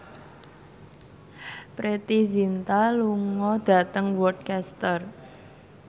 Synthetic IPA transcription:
pɾet̪izint̪aluŋɔd̪̥ä̤t̪əŋwɔd̚kɛst̪ər

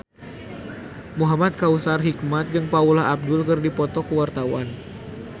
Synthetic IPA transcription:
muɦamat̪̚kausarɦik̚mat̪̚d͡ʒɨŋpaulaab̚dʊlkərdipɔt̪ɔkəwart̪awan

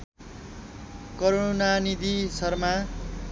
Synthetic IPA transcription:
kʌɾonanid̪isʌrma

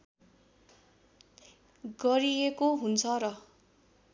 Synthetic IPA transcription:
ɡʌɾiekoɦunt͡sʰʌrʌ

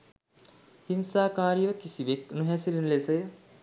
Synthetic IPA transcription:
hinsaːkaːɾijʋəkisiʋekunuɦæsilinlesəjə

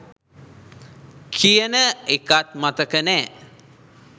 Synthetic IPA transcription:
kʰijənəekat̪̚mat̪əkənɛː

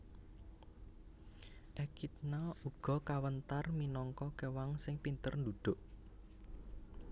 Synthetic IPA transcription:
ʔɛkit̪̚nauɡ̥ɔ̤kawənt̪arminɔŋkɔkewaŋsɪŋpint̪ərnd̪ud̪̥ʊ̤ʔ

